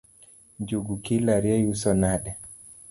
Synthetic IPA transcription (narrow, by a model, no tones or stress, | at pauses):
d͡ʒuɡukilaɾiɛjusɔnaɗɛ